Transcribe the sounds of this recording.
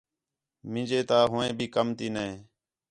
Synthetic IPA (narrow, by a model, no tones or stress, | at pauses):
mɪ̃nd͡ʒeːt̪aːɦʊːẽːbʱiːkəmt̪iːneː